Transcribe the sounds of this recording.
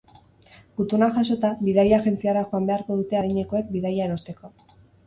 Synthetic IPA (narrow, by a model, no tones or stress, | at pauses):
but̪unaʝaso̞t̪aβiðajaʝe̞nt͡siaɾaxoambe̞aɾko̞ð̞ut̪eaɾiɲe̞ko̞e̞k̚biðajaeɾo̞st̪e̞ko̞